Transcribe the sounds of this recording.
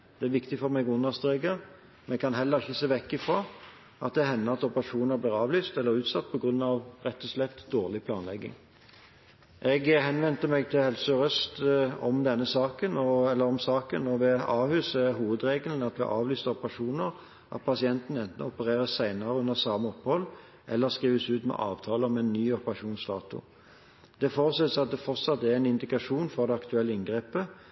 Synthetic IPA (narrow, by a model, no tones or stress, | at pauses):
d̪̥ɛæɾʋɪkt̪ɪfɔɾmɛɡʊnːɑst̪ʁeːɡəɾ | mɛnɛkʰɑnɦɛlːəɾɪçəseːʋɛkːɪfɾɑː | ʔɑt̪̚d̪ɛhɛnːəɑt̪ɔpəʁɑʂuːnəɾbliːɾɑːʋlyːst̪ɛlːəɾʉːt̪sɑt̪̚ːpʰɔɡʁʉnːɑʋɾɛt̪ːɔslɛpt̪d̪oːʁlɪpʰlɑːnlɛɡːɪ̰ŋ | ʔɛɡhɛnʋɛnt̪əmɛɡ̚t̪ʰɪlhɛlsəɔʁœst̪ɔmd̪ɛnːəsɑːkənɔɛlːəʁɔmsɑːkənɔʋɛɑːhʉːsəɦuːʋəd̪ɾeːɡəln̩ɑt̪ʋɪ̰ʔɑːʋlyːst̪əɔpəʁɑʂuːnəʁ | ʔɑ̰t̪̚pʰɑsɪɛnt̪n̩ɛnt̪n̩ɔpəʁeːʁəssæɪnɑɾəʉnəʁsɑːməɔpːhɔlː | ʔɛlːəʁskʁiːʋəsʉːt̪mɛ̰ʔɑ̰ːʋt̪ʰɑːləɔmɛnːyːɔpəʁɑʂuːnsd̪ɑ̰ːt̪ʊ̰ | d̪̥ɛfoːʁəsɛt̪ːəsɑt̪̚d̪ɛfɔʁt̪sɑt̪̚d̪ɛɛɪnɪnd̪ɪkɑʂuːnfɔʁd̪ɛɑkt̪ʉɛlːəɪnɡʁeːpə